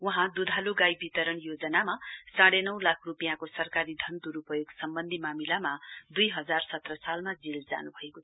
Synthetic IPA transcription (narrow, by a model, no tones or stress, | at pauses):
wʌɦãd̪ud̪ʱaluɡajbit̪ʌɾʌɳjod͡zʌnamasaɽenʌw̃lakʰrupijãkosʌrkaɾid̪ʱʌnd̪uɾupʌjoɡsʌmbʌnd̪ʱimamilamad̪ujɦʌd͡zarsʌt̪rʌsalmad͡zild͡za̰nubʱʌekot͡sʰʌ